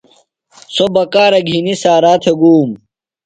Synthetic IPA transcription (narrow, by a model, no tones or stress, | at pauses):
sobɐkaːɾɐɡʱinisaːɾaːt̪ʰeɡuːm